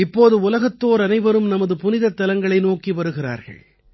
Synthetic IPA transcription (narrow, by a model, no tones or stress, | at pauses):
ɪpːoːðɯʊlɐɣɐt̪ːoːɾɐnɐɪʋɐɾɯmnɐmɐðɯpʊnɪðɐt̪ːɐlɐŋɡɐɭɐɪnoːkiʋɐɾɯɣɪra̰ːɾɣɐ̰ɭ